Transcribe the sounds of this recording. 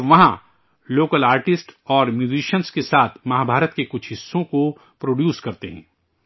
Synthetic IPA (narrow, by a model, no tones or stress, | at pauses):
ʋɐɦã | loːkəlaːɾʈɪsʈɔːɾmjuːziʃənskesaːt̪ʰmɐɦaːbʱaːɾət̪kekʊt͡ʃʰɦɪsːõko | pɾoːɖjuːskɐɾt̪eɦɛ̰̃ː